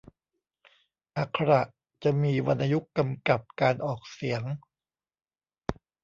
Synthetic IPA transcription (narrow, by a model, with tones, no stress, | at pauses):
ʔa˨˩kʰːa˧ɾa˨˩ʔ | t͡ɕa˨˩ʔmiː˧wa˧nʔa˧ju˦˥kːa˧mka˨˩p̚kaː˧nʔɔː˨˩k̚si˩˦ŋ